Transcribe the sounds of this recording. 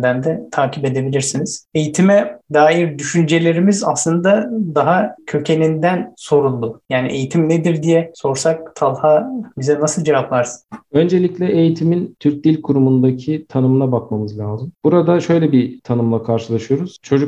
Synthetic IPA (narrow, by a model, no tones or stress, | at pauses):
d̪ænd̪ɛt̪ʰaːcʰipe̞d̪e̞bilʲiɾsiniz̥e̞jit̪ʰimɛd̪aːjiɾd̪yʃynd͡ʒe̞lʲe̞ɾimizaslˠɯnd̪ad̪aɦacʰø̞cʰe̞nind̪ænso̞ɾulˠːujaːnḭʔe̞jit̪ʰimned̪iɾd̪ijɛso̞ɾsak̚t̪ʰalˠhabizɛnasɯlˠd͡ʒevaplˠaɾsɯ̥nø̞nd͡ʒe̞lʲicʲlʲɛʔejit̪ʰimint̪ʰyɾc̚d̪ilʲkʰuɾumund̪acʰit̪ʰanɯmnabakmamɯzlʲaːzɯmb̥uɾad̪aʃø̞jlʲɛbit̪ʰanɯmlˠakʰaɾʃɯlˠaʃɯjo̞ɾuz̥t͡ʃʰo̞d͡ʒuk